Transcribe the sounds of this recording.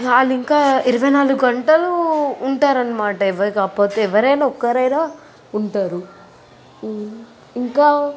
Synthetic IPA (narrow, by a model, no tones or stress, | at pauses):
aliŋkaːiɾuʋɐjnaːluɡuɡɐɳʈɐluːɳʈaːɾɐnːɐmaːʈɐɛʋɐkaːpo̞ːt̪eɛʋɐɾɐjnaɔkːɐɾɐjnaː | uɳʈaːɾu | iŋkaː